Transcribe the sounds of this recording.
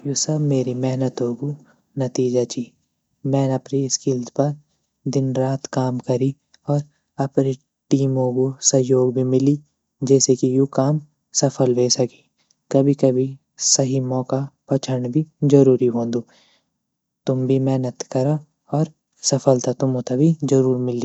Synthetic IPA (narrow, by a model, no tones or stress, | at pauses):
jusɐbmeːɾimɛɦnət̪ɦoːɡu | nɐt̪iːd͡ʒat͡ʃiː | mɛ̃ːnɐpniɪskɪlzpɐɾ | d̪ɪnɾaːt̪kaːmkɐɾi | ɔːɾ | ɐpne | ʈiːmõkosɐɦjoːɡ̚bʱimɪli | d͡ʒɛːsekijuːkaːm | sɐfʰəlʋeːsɐki̥ | kɐbʱikɐbʱi | sɐɦimɔːkapɐt͡ʃʰəɾɳbʱizɐɾuːɾiɦõːnd̪ũː | t̪ʊmbʱimɛːnət̪kɐɾa | ɔːɾ | sɐfəlt̪at̪ʊmõt̪abʱid͡ʒɐɾuːɾmɪli